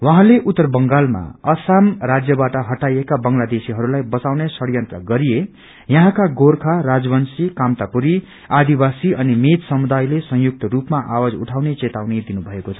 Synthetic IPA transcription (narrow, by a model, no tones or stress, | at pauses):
wʌ̃ɦãleʔut̪ːʌrbʌŋɡalma̰ʌsamrad͡zjʌbaʈʌɦʌʈajekabʌŋlad̪esiɦʌɾulajbʌt͡sawnesʌɽjʌnt̪rʌɡʌɾije | jʌɦãkaɡorkʰaɾad͡zbʌnsikamt̪apuɾi | ad̪ibasiʔʌnimet̪sʌmud̪ajlesʌ̃juk̚t̪ʌɾupmaʔawad͡zṵʈʰawnet͡set̪awned̪inubʱʌekot͡sʰʌ̥